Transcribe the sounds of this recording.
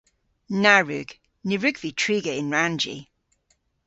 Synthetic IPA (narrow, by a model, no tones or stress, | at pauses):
naɹʉ̰ɡ̥ | nɪɹʉɡv̥itʰɹ̥iːɡəɪ̃nɹãnd͡ʒḭ